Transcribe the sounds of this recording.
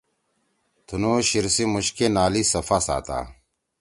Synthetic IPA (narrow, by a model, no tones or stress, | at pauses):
t̪ʰunuːɕiɾsimuɕkenaːlisɐfasa̰ːt̪a̰ː